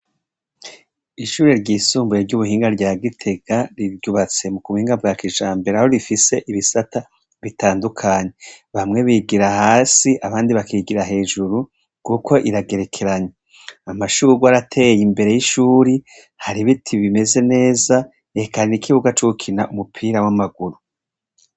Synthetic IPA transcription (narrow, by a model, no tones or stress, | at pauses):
iʃuːɾeɾɟiːsuːmbuɾeɾɟuβuhiːŋɡaɾɟaːɡitʰe̞ɡaɾiɾɟuβat͡se̞mukuβuhiːŋɡabɡakiʒaːmbeɾaho̞ɾifise̞ʔiβisata | βitaːndukʰaːɲe̞βamŋe̞βiɡiɾahaːsiʔaβaːndiβakiɡiɾaɦe̞ːʒuɾu | ɡ̥ukʰo̞ʔiɾaɡe̞ɾe̞kʰe̞ɾaɲe | amaʃuɡwaɾatʰe̞jimbe̞ɾe̞jiʃuːɾi | haɾiβitʰiβime̞ze̞ne̞ːza | ekaɾinikʰiβuɡat͡ʃuukʰinaʔumupʰiːɾawamaɡuɾu